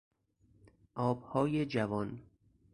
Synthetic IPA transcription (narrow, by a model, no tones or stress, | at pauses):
ʔɒːbhɒːjed͡ʒævɒn